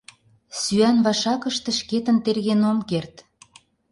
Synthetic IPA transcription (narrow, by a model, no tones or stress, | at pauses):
syænβɑʃɑkə̆ʃt̪ĕʃket̪ə̆nt̪erɣenomkert̪